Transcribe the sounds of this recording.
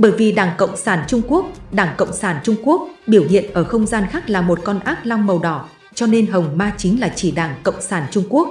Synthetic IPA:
ɓəː˧˩jvi˨˩ɗaː˧˩ŋkə̰˧˨wŋ͡msaː˧˩nt͡ɕʊ˧ŋ͡mku˦˥ək̚ɗaː˧˩ŋkə̰˧˨wŋ͡msaː˧˩nt͡ɕʊ˧ŋ͡mku˦˥ək̚ɓi˧˩əwɦḭ˧˨ənʔəː˧˩xə˧wŋ͡mzaː˧nxaː˦˥k̚laː˨˩mo˨˩t̚kɔ˧nʔaː˦˥k̚la˧wŋ͡mmə˨˩wɗɔ˧˩ | t͡ɕɔ˧ne˧nɦə˨˩wŋ͡mmaː˧t͡ɕï˨˦ŋ̟laː˨˩t͡ɕi˧˩ɗaː˧˩ŋkə̰˧˨wŋ͡msaː˧˩nt͡ɕʊ˧ŋ͡mku˦˥ək̚

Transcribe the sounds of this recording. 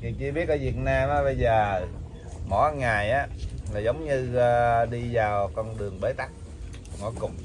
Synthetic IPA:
ki˨˩t͡ɕɨ˧ɓi˦˥ət̚ʔəː˨˦vi˨˩ət̚naː˧mʔaː˨˧˥ɓə˧jzəː˨˩ | mɔ̰˧˨˦ŋaː˨˩jʔaː˨˦laː˨˩zə˨˦wŋ͡mɲɨ˧ɗi˧zaː˨˩wkɔ˧nɗɨ˨˩əŋɓəː˨˦t̪a˦˥k̚ | ŋɔ̰˨˦kʊ˨˩ŋ͡m

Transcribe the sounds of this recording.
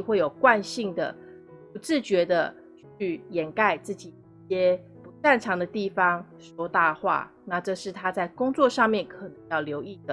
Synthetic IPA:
xwe˥˩ɪjo˨˩ʊkwa˥˧nɕi˥˩ŋd̪ə̰˩ | pu˧˥ʈ͡ʂɻ̩˥˩t͡ɕɥɛ˧˥d̪ə˧ | t͡ɕʰy˥˩jɛ˨˩nka˥˧ɪt͡sɹ̩˥˩t͡ɕi˨˩i˥˩ɕjɛ˥ | pu˧˥t̪a˥˩nʈ͡ʂʰɑ˧˥ŋd̪ə˧t̪i˥˩fɑ˥ŋ | ʂɔ˥t̪a˥˧xwa̰˥˩ | na˥˧ʈ͡ʂɤ˥˧ʂɻ̩˥˩t̪ʰa˥t͡sa˥˩ɪkʊ˥ŋt͡swɔ˥˧ʂɑ˥˧ŋmjɛ˥˩nkʰɤ˨˩nɤ˧˦ŋjɑ˥˩ʊljo˧˥ʊi˥˩d̪ə˩

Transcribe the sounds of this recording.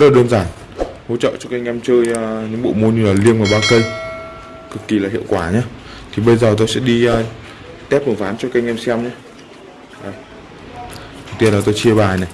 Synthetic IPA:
lɗə˧nzaː˧˩n | ho̰˧˥t͡ɕə̰ː˧˨t͡ɕɔ˧ka˧jŋ̟ʔɛ˧mt͡ɕəː˧jːɲɨ̰˧˥ŋɓo̰˧˨mo˧nɲɨ˧laː˨˩li˧ənʔaː˨˩ɓaː˧kə˧j | kɨ˨˩k̚ːi˨˩laː˨˩hḭ˧˨əwkwaː˧˩ɲaː˧˦t̪ʰi˨˩ɓə˧jzəː˨˩t̪̬o˧jsɛ̰˧˥ɗi˧əː˧ | t̪ɛ˦˥p̚ʔɨ˨˧˩ŋfaː˨˦nt͡ɕɔ˧ka˧jŋʔɛ˧msɛ˧mɲaː˧ | ʔəː˨˩j | t̪i˧ənlaː˨˩t̪o˧jt͡ɕi˧əɓaː˨˩na˨˩

